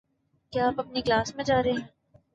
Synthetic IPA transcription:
kjaaːpɐp̚niklaːsmẽd͡ʒaːɾɐɦeɛ̃

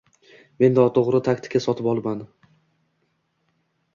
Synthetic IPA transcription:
me̞nd̪ɒt̪ʰoʁɾɪt̪ʰakʲt̪ʰɪ̥kʰʲasɒt̪ʰɪpɒlˠman

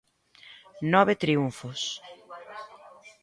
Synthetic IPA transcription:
nɔβet̪ɾiuɱfʊs

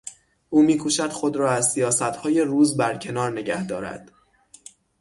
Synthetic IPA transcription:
ʔuːmiːkʰuːʃæd̪̥xod̪ɾɒːæzsijɒːsæt̪hɒːje̞ruːzbæɾcʰe̞nɒːɾne̞ɟæhd̪ɒ̰ːɾæ̰d̪̥

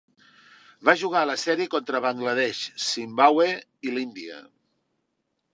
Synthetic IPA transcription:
βaʒuɣ̞aləsɛɾikɔnt̪ɾəβəŋɡləð̞ɛʃsimbawe | ilind̪iə̰

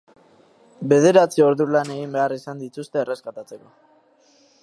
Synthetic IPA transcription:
be̞ð̞e̞ɾat͡sio̞ɾðulane̞ɣimbe̞arisand̪it̪ust̪e̞ːre̞skat̪at͡se̞ko̞

